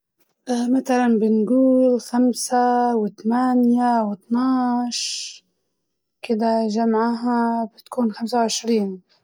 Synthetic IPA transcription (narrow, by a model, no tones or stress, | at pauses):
ʔmat̪alanbɪnɡuːlxamsawɪt̪amaːnjawɪt̪nɑʕʃ | kɪd̪aʒamaʕaɦabɪt̪ḁkuːnxamsawʕɪʃɾiːn